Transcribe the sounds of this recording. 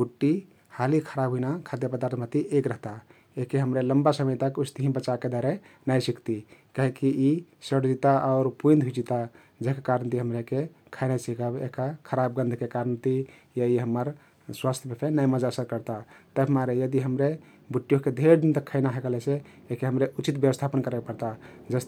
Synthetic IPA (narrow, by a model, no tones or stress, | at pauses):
buʈːi | halikʰəɾabʱɦuinakʰad̪jəpəd̪aɾt̪ʰmət̪iʔekɾəɦt̪a | ekeɦəmɾeləmbasəməjt̪akust̪iɦĩbət͡ʃaked̪aɾenajsikt̪ikaɦikiisəɽd͡ʒit̪aʔɔʊɾpuĩnd̪ɦud͡ʒit̪a | d͡ʒeɦkakaɾənt̪iɦəmɾeke | kʰaɪnasikəbḛkakʰəɾab̚ɡə̃nd̪ʱkekaɾənt̪i | jaiɦəmːəɾ | swast̪ʰjəmepʰenajməd͡ʒasəɾkəɾt̪at̪əbmaɾejəd̪iɦəmɾe | buʈːijoked̪ʱeɾd̪int̪əkʰːaɪnaɦəkəlese | ekeɦəmɾeʔut͡ʃit̪bjeʋəst̪ʰapənkəɾekpəɾt̪ad͡ʒəst̪